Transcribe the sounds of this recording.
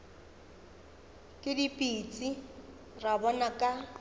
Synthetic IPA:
kʼɪdipʼiːt͡sʼi | rabɔnakʼa

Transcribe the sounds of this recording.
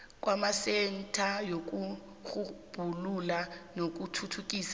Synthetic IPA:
k̬ʼwamasɛntʰʼajok̬ʼu | ɣub̥ʱululanok̬ʼutʰutʰuk̬ʼiːsa

